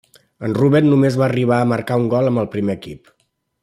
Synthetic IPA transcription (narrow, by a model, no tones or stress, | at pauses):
ənruβɛt̪numezβaəriβ̞aəməɾkauŋɡɔlˠəmbəlˠpɾimeəkḭp